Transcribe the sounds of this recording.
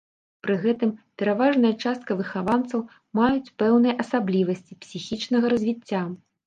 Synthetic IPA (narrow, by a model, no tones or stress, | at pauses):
pɾɨɣɛt̪ɨmpʲɛɾavaʐnɐjɐt͡ʂast̪̚kɐvɨxavant̪sɐw | majut͡sʲpɛwnɨjɐʔɐsablʲivɐsʲt͡sʲipsʲixʲit͡ʂnɐɣɐɾɐzʲvʲit͡sʲːa